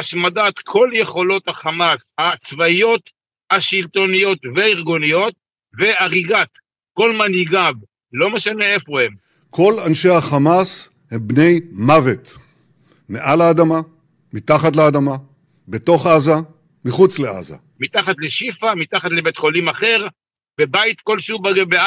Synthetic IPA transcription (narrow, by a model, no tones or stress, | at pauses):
aʃmadat̪kʰo̞lje̞χo̞lo̞t̪haχamashat͡svaijo̞t̪ | haʃilt̪o̞nijo̞t̪veiʁɡonijo̞t̪̚ | ve̞aʁiɡat̪ | ko̞lmaniɡav | lo̞meʃane̞efo̞em | kʰo̞lanʃehaχamas | hembne̞jmavet̪ | meʔalaːd̪ama | mitaχat̪lead̪ama | beto̞χaza | miχut͡slea̰za̰ | mit̪aχat̪leʃifamit̪aχat̪lebet̪χo̞limaχe̞ʁ | be̞bajt̪ko̞lʃubaɡebea